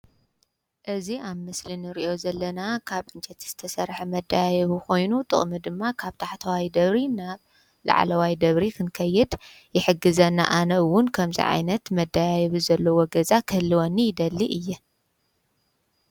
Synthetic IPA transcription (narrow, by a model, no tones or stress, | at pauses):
ʔɨziaβmɨslinɨɾiʔo̞zɐlːɐnakʰaβʔɨnt͡ʃɛt̪ʰz̥ɨt̪ʰɐsɐɾħɐmɐd̪ːajajɐβuko̞jnut̪ʼɨ̰χʼmɨd̪ɨmːakʰaβt̪ʰaħt̪ʰɐwajd̪ɐβɾinaβ | la̰ʕ̰lɐwajd̪ɐβɾikʰɨnkʰɐjːɛd̪ | jɪħɨɡːɨzɐnːa̰ʔanɐwʊnkʰɐmzḭʕa̰jnɐt̪mɐd̪ːajajɐβuzɐlːɐwoɡɐzakʰɨhɨlːiwonːijɪd̪ɐlːiʔɨjːɛ